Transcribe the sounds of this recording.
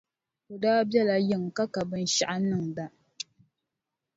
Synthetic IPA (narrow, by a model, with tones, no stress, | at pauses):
ko˨daː˦bjɛ˦la˨jɪ˦ŋ˨ka˦ka˨bɨ˦n˦ʃa˦ʔa˦nɨ˦˨ŋ˨da˦